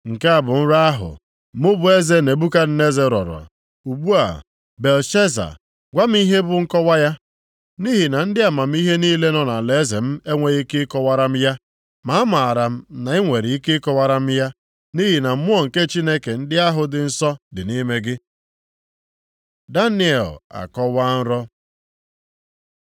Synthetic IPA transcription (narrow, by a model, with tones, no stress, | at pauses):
ŋ̩˨ke˦a˨bʊ˨m̩˦ɾa˦a˦ɦʊ̰˨ | mʊ˦bʊ˦e˦ze˦ne˨bu˦ka˦n̩˦ne˦ze˦ɾɔ̰˨ɾɔ̰˨ | u˨ɡ͡bu˦a̰˨ | be˨lʃe˦za̰˨ | ɡʷa˦m̩˦i˦ɦe˦bʊ˨ŋ̩˦kɔ˦wa˦ja˦ | ni˦ɦi˨na˨n̩˦dɪ˦a˨ma˨m̩˦i˦ɦe˦niː˦le˦nɔ˨na˨le˦ze˨m̩˦e˦ŋʷe˨˦ɣe˦ke˦kɔ˦wa˦ɾa˦m̩˦ja˦ | ma˨a˦ma˨ɾa˨m̩˦na˨i˦ŋʷe˨ɾi˨i˦ke˦kɔ˦wa˦ɾa˦m̩˦ja˦ | ni˦ɦi˨na˨m̩˦mʊ˦ɔ˦˨ŋ̩˨ke˦t͡ʃi˦ne˦ke˨n̩˦dɪ˦a˦ɦʊ˨dɪ˨n̩˦sɔ˦dɪ˨ni˦me˦ɡɪ˦ | da˦ni˦e˨la̰˨kɔ˦wa˦n̩˦ɾɔ˦